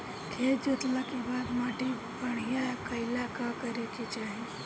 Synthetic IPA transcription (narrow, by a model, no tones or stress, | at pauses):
kʰeːd͡ʒot̪lakibaːd̪maːʈi | bəɽ̤ijakɐɪlakakəɾeket͡ʃaːɦi